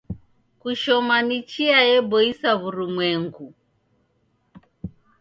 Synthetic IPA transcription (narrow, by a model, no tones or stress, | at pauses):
kuʃɔmanit͡ʃiajɛbɔisaβuɾumwɛŋɡu